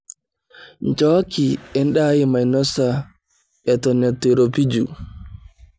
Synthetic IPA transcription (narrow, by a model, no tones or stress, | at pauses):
ɲd͡ʒɔkiɛnɗaːjimajnɔsa | ɛtɔnɛtːiɾopid͡ʒu